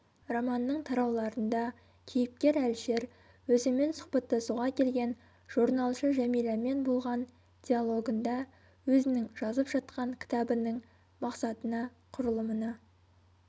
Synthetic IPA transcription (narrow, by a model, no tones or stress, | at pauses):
romɑnːəɴt̪ʰɑɾɑwlˠɑɾənd̪ɑ | kʲʰejɪp̚kʲe̞ɾælʃe̞ɾ | wɵzɪme̞nsʊ̥χpɑt̪ːɑsuʁɑkʲʰe̞lɡʲe̞n | ʒ̥uɾnɑlˠʃəʒæmijlˠɑme̞nbolˠʁɑn | d̪̥ʲijalˠo̞ɡənd̪ɑ | wɵzɪnɪŋʒɑzəpʒɑt̪qɑŋkʲʰɪ̥t̪ɑbənəɴ | mɑqsɑt̪ənɑ | qʰʊɾəlˠəmənɑ